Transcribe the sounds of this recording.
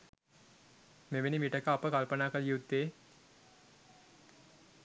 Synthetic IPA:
meʋenimiʈəkəapəkalpənaːkəljut̪ːeː

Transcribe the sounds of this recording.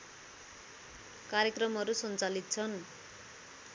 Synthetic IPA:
kaɾjʌkrʌmɦʌɾusʌnt͡salit̪̚t͡sʰʌn

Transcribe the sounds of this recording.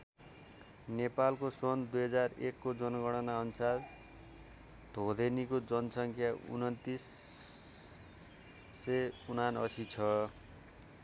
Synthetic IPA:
nepalkosʌnd̪ujɦʌd͡zarekːod͡zʌnʌɡʌɽ̃ʌnaʌnusal | d̪ʱod̪ʱenikod͡zʌnʌsʌŋkʰjaṵnʌnt̪is | eunanʌsit͡sʰʌ

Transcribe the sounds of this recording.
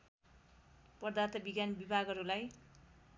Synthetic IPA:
pʌrd̪at̪ʌbiɡjanbibʱaɡʌɾulaj

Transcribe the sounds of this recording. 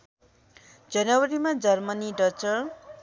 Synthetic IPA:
d͡zʌnʌwʌɾimad͡zʌrmʌniɖʌt͡sʌr

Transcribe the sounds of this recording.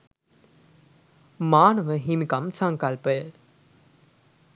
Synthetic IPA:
maːnɐʋəɦimikɐmsɐŋkɐlpə

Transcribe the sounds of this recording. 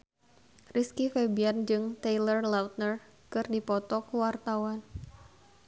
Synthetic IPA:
riskifebiand͡ʒɨŋt̪ejlərlawt̪̚nər | kɨrdipɔt̪ɔkuwart̪awan

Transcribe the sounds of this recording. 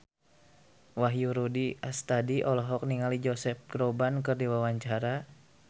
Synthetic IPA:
waɦjuɾudiast̪adiʔɔlɔɦɔk̚niŋalid͡ʒɔsɛf̚ɡ̥ɾɔbankɨrdiwawaɲt͡ʃaɾa

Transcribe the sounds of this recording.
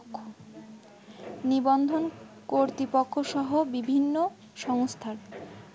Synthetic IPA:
nibɔnd̪ʱonkoɾt̪ipokʰːoʃɔɦobibʱinːo | ʃɔŋst̪ʰaɾ

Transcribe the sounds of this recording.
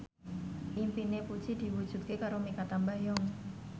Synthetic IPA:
ʔimpinepu̥t͡ʃidiwu̥d͡ʒ̥ut̪̚kekaɾomikat̪ambajɔŋ

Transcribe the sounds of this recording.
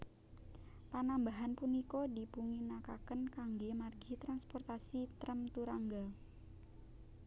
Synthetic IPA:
panambaɦanpunikodi̤puŋinakakənkaŋɡemarɡit̪ɾanspɔrt̪asit̪ɾəmt̪uɾaŋɡa

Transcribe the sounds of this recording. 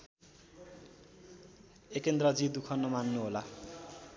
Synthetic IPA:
ekend̪rʌd͡zid̪ukʰʌnːʌmanːuɦola

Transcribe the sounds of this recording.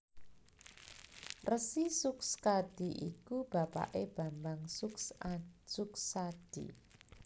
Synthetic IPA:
rəsisʊkskad̥iʔḭkub̥a̤pa̰ʔeb̥a̤mbaŋsʊkssʊksad̥ḭ

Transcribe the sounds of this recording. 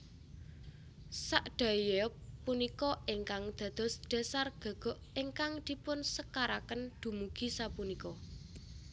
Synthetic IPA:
saʔɖ̥a̤jɔunikɔeŋkaŋd̪̥ä̤d̪̥ɔ̤sd̥a̤sarɡ̥a̤ɡ̥ɔ̤ʔeŋkaŋd̪̥i̤pʊnsəkaɾakənd̪̥ṳmuɡ̥i̤sapunikɔ

